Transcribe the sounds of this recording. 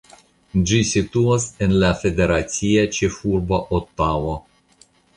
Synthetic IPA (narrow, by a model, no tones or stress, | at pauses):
d͡ʒisit̪uasenlafed̪eɾat̪siat͡ʃefuɾbaʔot̪ːavo